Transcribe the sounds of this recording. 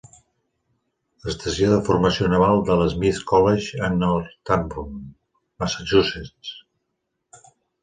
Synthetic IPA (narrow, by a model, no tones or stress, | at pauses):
əst̪əsjoðəfurməsionəβalˠd̪ələzmiθkɔleʒənɔɾt̪ambun | məsəʒuset͡s